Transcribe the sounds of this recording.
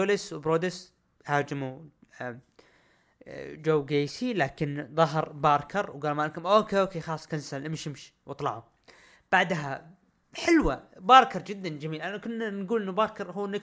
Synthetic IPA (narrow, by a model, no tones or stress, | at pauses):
oːlɪswbɾoːd̪ɪs | haːd͡ʒɪmu | d͡ʒowːɡeːsilaːkɪnðˤɑɦɑɾˤbɑːɾˤkʰɑɾˤwɡaːlmaːlkʊmʔokeokexɑlːsˤːkansalʔɪmʃɪmʃwt̪ˤlɑ̰ʕʊ | b̥aʕd̪ɦa | ħɪlwabɑːɾˤkɑɾˤd͡ʒɪd̪ːand͡ʒamiːlʔanːakʊnːanɡuːlɪnːubɑːɾˤkɑɾˤɦuːʔnːɪ